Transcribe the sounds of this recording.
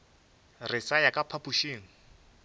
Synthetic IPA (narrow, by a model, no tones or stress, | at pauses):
rɪsajakʼapʰapuʃiːŋ̩